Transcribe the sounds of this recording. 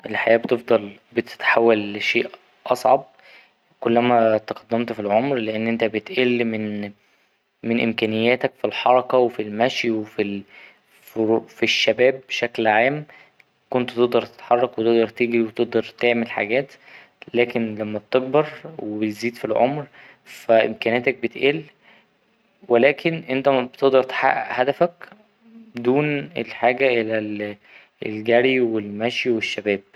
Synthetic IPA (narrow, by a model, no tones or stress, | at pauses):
ʔelħajæːbt̪efd̪ˤɑlbet̪e̥t̪ħawːælʃeːʔ | ʔɑsˤʕɑb̚ | kolːæmæt̪eqɑd̪ːæmt̪filʕomɾleʔenːʔent̪æbet̪ʔelːmen | menʔḛmkæːnejːæːt̪ækfilħɑɾˤɑkɑwefilmæʃjwefi | ffiʃːæbæːbːeʃæklʕaːm | kont̪t̪eʔd̪ɑɾˤt̪e̥t̪ħɑrˤːɑkwet̪eʔd̪ɑɾˤt̪eːɡiwet̪eʔd̪ɑɾˤt̪eʕmelħa̰ɡæːt̪ | læːkenlæmːæb̚t̪eɡ̚bɑɾˤwebet̪ziːd̪filʕo̰mɾ | fæʔḛmkæːnæt̪æk̚bet̪ʔeːl | welæːkʰenʔent̪æbet̪eʔd̪ɑɾˤt̪ħa̰ʔhæd̪æfæk | bed̪uːnelħaːɡæʔelæl | ḛlɡæɾiwelmæʃjiweʃːæbæːb̥̚